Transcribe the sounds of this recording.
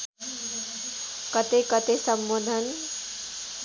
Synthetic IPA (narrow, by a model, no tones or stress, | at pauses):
kʌt̪ekʌt̪esʌmːod̪ʱʌn